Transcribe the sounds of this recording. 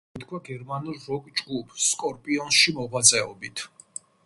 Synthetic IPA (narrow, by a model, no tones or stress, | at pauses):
t̪kʰwaɡɛɾmanuɾːɔkʼd͡ʒɡupsːkʼɔɾpʼiɔnʃimɔʁwat̪sʼɛɔbit̪ʰ